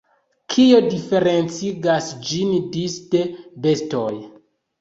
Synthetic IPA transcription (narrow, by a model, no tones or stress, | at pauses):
kʰio̞dife̞ɾe̞nt͡siɡasd͡ʒindistebe̞stoj